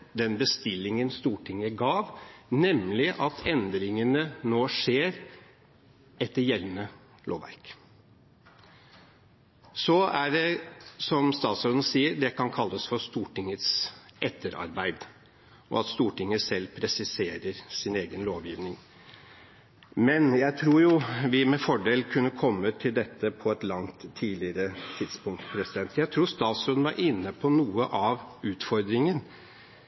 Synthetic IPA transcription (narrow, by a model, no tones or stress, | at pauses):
d̪ɛnbəst̪ɪlːɪŋənst̪uːʈʰɪŋːəɡɑːʋnɛmlɪʔɑt̪ʰɛnd̪ɾɪŋənənoːʂeːɾ | ɛt̪ːəɾjɛlnə | lo̰ːʋæ̰ɾk | sɔæɖɛsɔmst̪ɑːt̪sɔɾd̪n̩əsiːəɾd̪ɛkʰɑnkʰɑlːəsfɔst̪uːʈɪŋət̪sʔɛt̪ʰːəɾɑ̰ɾbæɪd̪ | ʔɔ̰ɑt̪st̪uːʈɪŋːəsɛlːpʰɾɛsɪseːɾəɾsɪneːɡənloːʋjiːʋnɪŋ | mɛnjæɪt̪ʰɾuːjʊʋɪmɛfɔɖeːlkʰʉnːəkʰɔmːət̪ʰɪld̪ɛt̪ːəpʰɔɛt̪lɑŋt̪ʰːiːlɪəɾət̪ʰɪd̪spʊŋt̪pʰɾɛsɪd̪ɛnt̪jæɪt̪ʰɾuːst̪ɑːt̪sɔd̪nʋɑɾʔɪnːəpʰɔnuːəʔɑʋʉːt̪fɔɾd̪ɾɪŋən